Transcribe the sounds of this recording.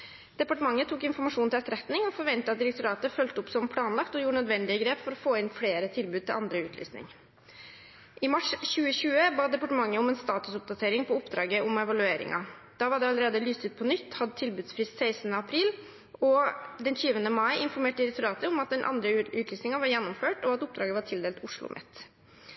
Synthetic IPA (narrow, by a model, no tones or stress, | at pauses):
d̪̥ɛpɑʈəmɑŋːət̪ʰuːkɪnfɔɾmɑʂuːnt̪ɪlɛt̪ɾɛt̪nɪŋɔfɔɾʋɛnt̪əɑt̪̚d̪ɪɾɛk̚t̪ʊɾɑːt̪əfœlt̪əʊpsɔmpʰlɑːnlɑkt̪ɔjuːʈɳnœd̪ʋɛnd̪ɪəɡɾeːpfɔɾɔfoːɪnfɽeːɾət̪ʰɪlbʉːd̪t̪ʰɪlʔɑnd̪ɾəʉːt̪ʰly̰ːsnɪ̰ŋ | ʔɪmɑʂɕʉːəɕʉːəbɑːd̪ɛpɑʈəmɑŋːəʊmɛːnst̪ɑːt̪ʉsʊp̚d̪ɑt̪ʰeːɾɪŋpʰɔʊpd̪ɾɑːɡəʔʊmɛʋɑlʉeːɾɪ̰ŋɑ̰d̪̥ɑːʋɑɖ̪ɛɑləɾeːd̪əlyːst̪ʉːt̪̚pʰɔnʏt̪ːhɑd̪ət̪ʰɪlbʉːd̪sfɾɪst̪sæɪsnəɑpʰɾiːl | ɔd̪ɛnçyːʋənəmɑɪʔɪnfɔɾmeːʈəɪɾɛk̚t̪ʊɾɑːt̪əʊmɑt̪̚d̪ɛnʔɑ̰nd̪ɾəʉːt̪ʰlyːsnɪŋɑʋɑɾjɛnːʊmføːʈɔɑt̪ʊp̚d̪ɾɑːɡəʋɑʈʰɪld̪eːlt̪ʊʂɭʊ̰mʔɛ̰t̪ː